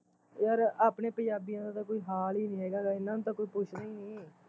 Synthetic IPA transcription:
jəɾaːpneːpə̃ɲd͡ʒaːbiːãːd̪ãːt̪ãːkoːiːɦaːliːnĩːɦɛːɡaːɡaːɪnãːnũt̪ãːkoːiːpʊt͡ʃʰnə̃ĩːeː

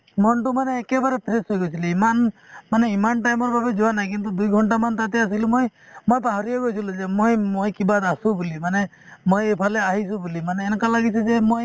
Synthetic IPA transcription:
mɔnʈumaneːkebaɾepʰɾesɦojɡot͡ʃʰiliimanmaneimanʈajmɔɾbʱabed͡ʒɔanajk̬int̪ud̪ujɡʱɔɳʈamant̪at̪eas̬ilimojmɔjpaɦɔɾijɔɡot͡ʃʰilud͡ʒemojmojkibad̪asũbulimane | mojepʰaleaɦisũbulimaneːnkalaɡit͡ʃʰid͡ʒemoj

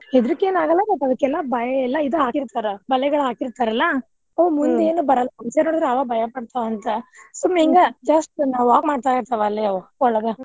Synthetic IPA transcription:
ed̪ɾikːeːnaːɡɐlːɐbɐʈːɐd̪ɐkːɛlːɐbɐjɐɛlːɐid̪ɐɦaːkiɾt̪aɾebɐlɛɡɐɭɦaːkiɾt̪aɾɐlːɐ | oːmund̪e̞ːnubɐɾɐlːɐɐnsenoːɽid̪ɾɛɐʋɐbʱɐjɐpɐɽt̪aʋɐnt̪ɐsumːiŋɡɐd͡ʒɐsʈnaːʋuaːkmaːɖt̪aːjiɾt̪ɐʋɐlːiɐʋɐɔɭɐɡɐ

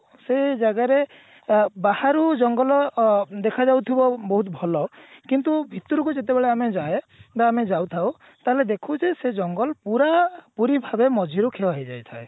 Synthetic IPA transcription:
sed͡ʒaɡaɾe | bahaɾud͡ʒɔŋɡɔlɔd̪ekʰad͡ʒawt̪ʰibɔbɔɦut̪bʱɔlɔkint̪ubʱit̪uɾukud͡ʒet̪̬ebeɭeamed͡ʒae | baːmed͡ʒawt̪ʰaw | t̪aɦeled̪ekʰud͡ʒesed͡ʒɔŋɡɔlpuɾapuɾibʱabemɔd͡ʒʱiɾukʰeɔɦed͡ʒajt̪ʰae

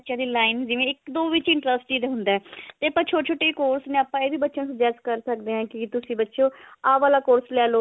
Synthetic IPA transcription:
tːʃjãːd̪iːlaːɪnd͡ʒɪʋẽːɪkd̪oːʋɪt͡ʃɪ̃ɳʈɾəsʈiːd̪eːɦʊ̃nd̪aːɛːt̪eːəpãːt͡ʃʰoːʈt͡ʃʰoːʈeːikoːɾsnẽːaːpːãːeːbiːbətːʃõːsəd͡ʒɛːskəɾsək̚d̪eːɦãːkɪt̪ʊsĩːbətːʃõːaːʋaːlaːkoːɾslɛːloː

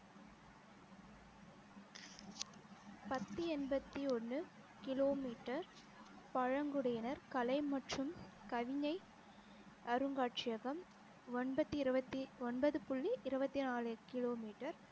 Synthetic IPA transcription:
pɐt̪ːɯɛnbɐt̪ːiɔnːɯ | kɪloːmiːʈːɐɾ | pɐɻɐŋɡɯɽɐjɪnɐɾkɐlɐɪmɐʈrɯmkɐʋɪɲɐɪ | ɐɾɯŋɡaːʈt͡ʃɪjɐɣɐm | ɔnbɐt̪ːiɪɾɯbɐt̪ːiɔnbɐðɯpʊɭːiʔɪɾɯbɐt̪ːinaːlɯkɪloːmiːʈːɐɾ

